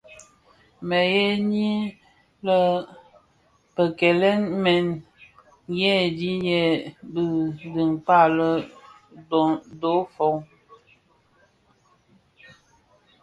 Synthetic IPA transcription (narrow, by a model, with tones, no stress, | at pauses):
mɛ˨jɛ˦ni˦ | lə˦ | pə˨kɛ˨lɛ˦nmɛ˨n | jɛ˦˨di˦jɛ˨bə˨ɡi˨ŋk͡pa˦˨lə˦ | dɔ˨˦do˨˦fo˨˦w